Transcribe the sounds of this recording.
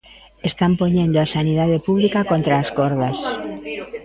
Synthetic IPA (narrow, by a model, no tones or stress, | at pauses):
est̪ampoɲẽnd̪oasaniðaðepuβlikakont̪ɾaːskoɾðas